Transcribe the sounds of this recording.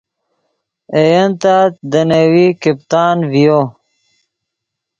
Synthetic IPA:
ejɐnt̪aːt̪d̪ənɐwikipt̪aːnvijo

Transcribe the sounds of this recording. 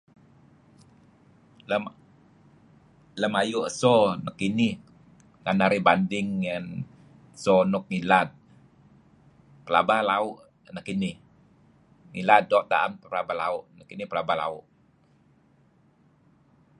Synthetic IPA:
ləm | ləmajuʔəsɔnəkːinih | ŋanaɾibandɪŋːən | sɔnʊk̚ŋilat̪̚ | pəla̰balaʊʔ | nəkːinɪh | ŋilat̪̚dɔʔt̪a̰ʔampəlabala̰ʊʔnəkinihpəlabahla̰ʊʔ

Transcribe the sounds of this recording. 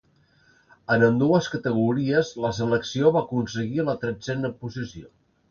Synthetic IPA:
ənənd̪uəskət̪əɣ̞uɾiəzləsələksioβakunsəɣiələt̪ɾɛd͡zɛnəpuzisio

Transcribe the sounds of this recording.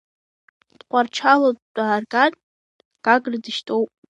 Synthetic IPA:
d̥qʷʰʼart͡ʃʰalod̥ːʼaːrɡanʼ | ɡ̥aɡrdɨʃtʰʼo̞wpʼ

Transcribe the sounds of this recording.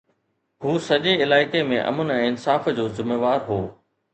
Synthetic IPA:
ɦuːsɐʄeɪlaːɪkemẽʔɐ̰mənɛ̃ːɪnsaːfd͡ʑoːzɪmeːʋaːɾɦoː

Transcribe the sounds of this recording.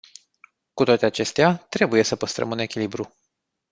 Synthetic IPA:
kut̪oat̪e̞at͡ʃe̞st̪eat̪ɾe̞buje̞səpəst̪ɾə̰mune̞kʲilibɾu

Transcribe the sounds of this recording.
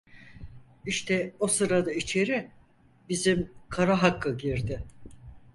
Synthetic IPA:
iʃt̪ʰɛosɯɾad̪ait͡ʃʰe̞ɾɪ | bizimkʰaɾaɦakːɯɟiɾd̪ɪ

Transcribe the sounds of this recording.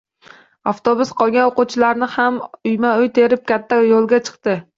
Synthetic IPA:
aft̪ʰobʊsqʰɒlˠɡʲanoqut͡ʃʰɪlaɾnɪhamʊjmaʊjt̪ʰe̞ɾɪp̚kʲʰat̪ʰːajolˠɡʲat͡ʃʰɨ̥qt̪ɪ

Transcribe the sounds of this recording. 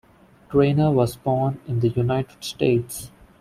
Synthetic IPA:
ʈɾẽːnəɾʋɔːzbɔːnɪ̃nd̪əjunaɪʈɪ̥ɖsʈeːʈs

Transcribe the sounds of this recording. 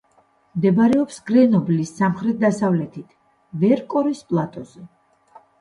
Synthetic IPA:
md̪ɛbɾɛɔpsɡɾɛnɔblisːamχɾɛt̪̚d̪asavlɛt̪ʰit̪ʰ | vɛɾkʼɔɾispʼlˠat̪ʼɔzɛ

